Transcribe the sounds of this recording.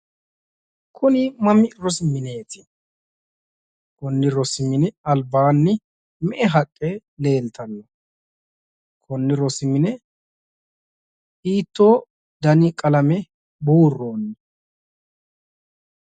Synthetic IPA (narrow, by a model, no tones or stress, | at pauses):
kʰʊnɪmɐmɪɾɔsɪmɪne̞ːt̪ɪ̥ | kɔnːɪɾɔsɪmɪnɛɐlbaːnːɪ | mɛʔɛɦɐkʼːɛ | le̞ːlt̪ɐnːɔ | kʰɔnːɪɾɔsɪmɪnɛ | iːt̪ːo̞ː | d̪ɐnɪkʼɐlɐmɛ | buːrːoːnːɪ